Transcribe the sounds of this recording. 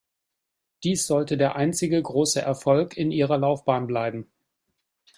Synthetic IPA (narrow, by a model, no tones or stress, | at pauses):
d̥iːsz̥ɔltədeːɐʔaɪnt͡sɪɡəɡʁoːsəʔɛɐfɔlkʰɪnʔiːʁ̞ɐlaʊfb̥aːnblaɪbm̩